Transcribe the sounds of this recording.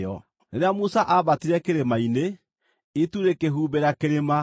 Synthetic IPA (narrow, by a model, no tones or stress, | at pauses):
ɔ | neɾeamusaʔaβatiɾɛkeɾemaine | ituɾekeɦuːbeɾakeɾema